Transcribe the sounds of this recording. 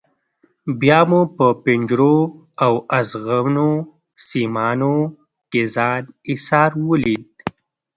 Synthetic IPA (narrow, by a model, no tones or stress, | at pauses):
bjaːmupəpiɲd͡ʒɾo | awazɣawno | simɑːno | kezɑːnisɑːɾwulid̪̚